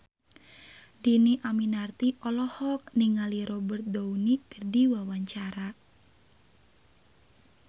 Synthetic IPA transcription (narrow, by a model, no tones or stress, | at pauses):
diniʔaminart̪iʔɔlɔhɔk̚niŋaliɾɔbərt̪̚dounikərdiwawaɲt͡ʃaɾa